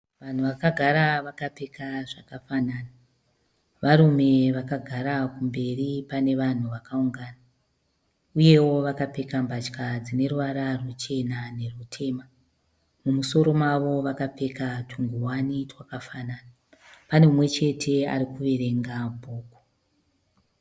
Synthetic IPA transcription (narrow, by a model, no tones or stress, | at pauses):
ʋan̤uʋakaɡʱaɾaʋakape̞kaʐakafanana | ʋaɾume̞ʋakaɡʱaɾakumbe̞ripane̞ʋan̤uʋakauŋɡaːna | uje̞wo̞ʋakape̞kambat͡ʃkad͡zine̞ɾuʋaɾarwut͡ʃe̞nane̞rutʰe̞ːma | mumuso̞ɾo̞mwaʋo̞ʋakape̞katʰuŋɡuwanitwakafanaːna | pane̞mumwe̞t͡ʃe̞tʰe̞a̰ɾikuʋe̞ɾe̞ŋɡabʱoːku